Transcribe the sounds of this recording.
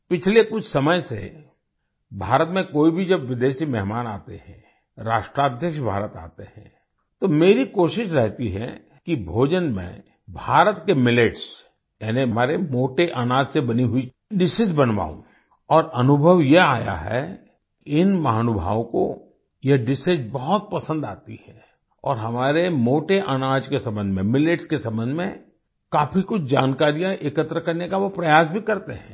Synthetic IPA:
pɪt͡ʃʰlekʊt͡ʃʰsɐməjsḛ | bʱaːɾət̪mẽkoːibʱid͡ʒɐbʋɪd̪eːʃimɛɦmaːnaːt̪eɦɛ̰̃ | ɾaːʃʈɾaːd̪ʱjəkʃbʱa̰ːɾət̪a̰ːt̪eɦɛ̰̃ː | t̪omeːɾikoːʃɪʃɾɛɦt̪iɦɛ̰ | kibʱoːd͡ʒənmɛ̰̃ | bʱaːɾət̪kemɪleːʈs | jɛːnemaːɾemoːʈeʔaːnaːd̪sebɐniɦʊi | ɖɪsɪd͡ʒbɐnʋa̰ːṵ̃ | ɔːɾɐnʊbʱəʋjea̰ːja̰ɦɛ̰ | kiɪnmɐɦaːnʊbʱa̰ːʋõko̰ | jeɖɪsɪd͡ʒbɔɦʊt̪̚pɐsə̃nd̪a̰ːt̪ihɛ | ɔ̰ːɾɦɐmaːɾemoːʈeʔaːnaːd͡ʒkesɐ̃mbə̃nd̪mẽmɪleʈskesɐ̃mbə̃nd̪ʱmẽ | kaːfʰikʊt͡ʃʰd͡ʒaːnkaːɾijãʔɪkət̪ɾəkɐɾnekaʋopɾɐjaːsbʱikɐɾt̪eɦɛ̃ː

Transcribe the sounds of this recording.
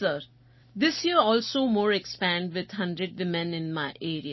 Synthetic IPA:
səɾ | d̪ɪsjiɾɔːlsoːmoːɾekspæ̃ːɳɖʋɪd̪hʌ̃ɳɖɾeɖʋɪmɛ̃nɪ̃nmaɪʔeːɾia

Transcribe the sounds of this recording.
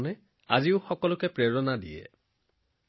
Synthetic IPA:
nɛ | a̰ziʊxɔkɔlʊkɛpɹeɹɔnadḭjɛ̰

